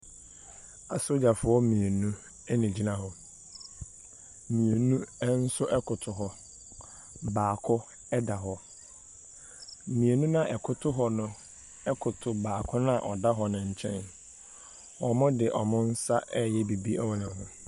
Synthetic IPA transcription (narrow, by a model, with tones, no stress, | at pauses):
a˨so˦d͡ʑa˨fʊ˨ɔ˦mĩ˨e˨nũ˦ | ɛ˦nĩ˨d͡ʑi˦nã˦ɦɔ˨ | mĩ˨e˨nũ˦ɛ˦n̩˦sʊ˦ʔɛ˦kʰʊ˨tʰʊ˨ɦɔ˦ | baː˨kʰʊ˦ | ɛ˦da˨ɦɔ˦ | mĩ˨e˨nũ˦nã˦˨ʔɛ˨kʰʊ˦tʰʊ˦ɦɔ˦nʊ̃˦ | ɛ˦kʰʊ˨tʰʊ˨baː˨kʰʊ˦nã˦˨ʔɔ˨da˦ɦɔ˦nʊ̃˨ɲ̩˨t͡ɕʰɛ̰̃˦n | ɔ˨mʊ̃˦dɪ˨ʔɔ̰˨mʊ̃˦n̩˦sa˦ʔɛ˦jɛ˦bi˨bi˦ɛ˦wɔ˦nɪ̃˨nʊ̃˨